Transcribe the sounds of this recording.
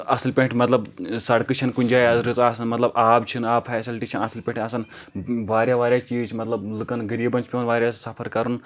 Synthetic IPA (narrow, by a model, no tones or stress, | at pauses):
ɐsilpʲẽɳʈʰmɐt̪lɐbsɐɽkɨt͡ʃʰɐnkunʲd͡ʒaːjazɾɨt͡saːsɐnmɐt̪lɐbaːbt͡ʃʰinaːpfaːsilʈit͡ʃʰɐnɐsilpʲẽɳʈaːsɐn | ʋaːɾʲjaʋaːɾʲjat͡ʃiːt͡ʃʰmɐt̪lɐblɨkɐnɡɐɾiːbɐnt͡ʃʰpʲeɐnʋaːɾʲjasɐpʰɐɾkɐɾun